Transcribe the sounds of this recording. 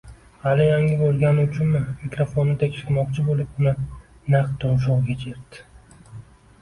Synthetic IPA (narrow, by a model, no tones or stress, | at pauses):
halɪjaŋɪbolˠɡʲanɪʊt͡ʃʰʊnmɪmikɾofonːɪt̪ʰekʲʃɪɾmɒq̚t͡ʃʰɪbolɪpʊnɪ | naqt̪ːɒnʃ̬ɒʁɡʲet͡ʃʰeɾd̪ɪ̥